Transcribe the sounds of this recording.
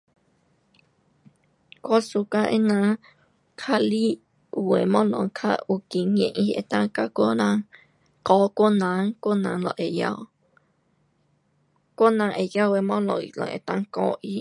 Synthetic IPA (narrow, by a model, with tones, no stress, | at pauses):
kʷo˦su˧ka˧ʔe˧nã˧ | kʰa˧li˦ʔ | we˨mɔ̃˦lɔ̰̃˧˨ŋkʰa̰˦˧ʔu˧˨ki˧ɲḛ̃˧˨ʔi˦˧ʔḛ˧˨t̪ã˧ka˧kʷo˦nã˧ | kɔː˦kʷo˦nã˨˦ŋkʷo˦nã˨˦lɔ̰˧˨ʔe˨ja̰˧˨w | kʷo˦nã˧˦ʔe˨ja˦we˧˨mɔ̃˦lõ˨ḭ˨lɔ̰˧˨ʔḛ˨t̪ã˧ŋkɔː˧˦ʔi˦